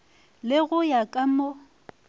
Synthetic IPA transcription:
lɪɣʊjakʼamɔ

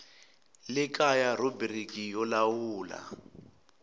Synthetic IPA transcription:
lɪkʼajarɔbrikijɔlawuːla̰

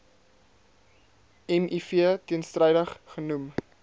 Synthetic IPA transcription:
ɛmʔifiətiənstrəjdəχχənum

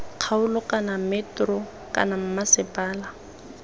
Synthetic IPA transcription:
q͡χʰaʊlɔkʼanamɛtrɔ | kʼa̰nam̩masɪpʼaːla

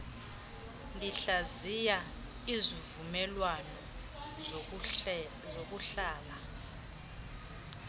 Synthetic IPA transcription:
liɬazija | izivumɛlwanɔ | zok̬ʼuɬaːla

